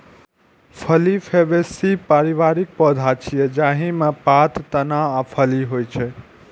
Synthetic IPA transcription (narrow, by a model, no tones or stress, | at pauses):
pʰəlipʰebesipaɾiβaɾik̚pəd̪ʱat͡ʃʰijɛd͡ʒaɦĩmepat̪t̪ənaapʰəliɦojt͡ʃʰɛ